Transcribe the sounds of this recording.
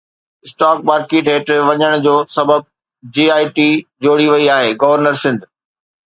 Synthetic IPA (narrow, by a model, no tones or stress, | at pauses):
ɪsʈaːk̚maːɾkeːʈeːʈʋɐɲəɽ̃d͡ʑoːsɐbəb̚ | d͡ʑiːaːiʈiːd͡ʑoːɽiʋɐiaːɦeːɡɐʋəɾnəɾsɪ̃nd̪ʱ